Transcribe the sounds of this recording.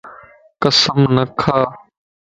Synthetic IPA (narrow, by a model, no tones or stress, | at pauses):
kəsəmnəkʰaː